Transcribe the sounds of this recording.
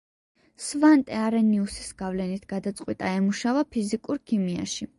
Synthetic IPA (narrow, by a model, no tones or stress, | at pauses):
svant̪ʼɛaɾɛniusisɡ̥avlɛnit̪ʰɡ̥ad̪at̪sʼqʼwit̪ʼaɛmuʃavapʰizikʼuɾkʰimia̰ʃi